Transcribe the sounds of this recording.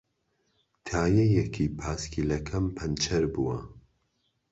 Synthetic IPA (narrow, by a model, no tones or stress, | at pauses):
t̪ʰaːjɛjɛkʰiːpʰaːskʰʲilɐkʰɐmpʰɐnt͡ʃʰɐɾbuwɐ